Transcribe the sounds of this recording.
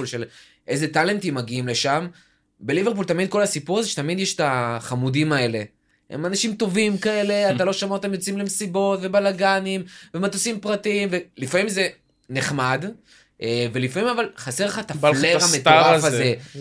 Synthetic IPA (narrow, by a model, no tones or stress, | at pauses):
ulʃel | ʔejze̞t̪ale̞nt̪imːaɡiimle̞ʃam | be̞live̞ʁp̬ult̪amid̪̚ko̞lasipuʁazeʃet̪amid̪jeʃe̥t̪aχamudimae̞le̞ | ḛmanaʃimt̪o̞vimkae̞le̞at̪alo̞ʃamot̪emjot͡simlemsibo̞t̪ve̞balaɡanimvemat̪usimpʁatimvelifamimze̞ | neχmad | ʔeve̞lifamimavalχaseʁleχat̪afalleʁamet̪aafaze